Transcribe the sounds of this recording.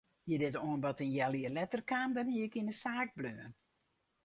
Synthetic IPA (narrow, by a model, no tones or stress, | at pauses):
jədɪtoənbɔtənjɛliərlɛtərkaːmdɔnhiəkinəsaːk̚bløːən